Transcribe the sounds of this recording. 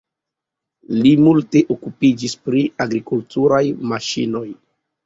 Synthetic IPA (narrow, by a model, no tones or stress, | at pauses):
limulte̞ʔokupid͡ʒispɾiaɡɾikultuɾajmaʃḭno̞j